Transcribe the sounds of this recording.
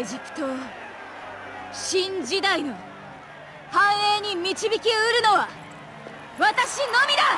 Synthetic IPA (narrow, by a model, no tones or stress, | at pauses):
eʑipɯ̥t̪o̞ | ɕĩɲd͡ʑid̪aino̞ | hãɰ̃e̞ɲ̟imʲit͡ɕibʲikʲiɯɾɯ̟no̞βa | βat̪aɕino̞mʲid̪a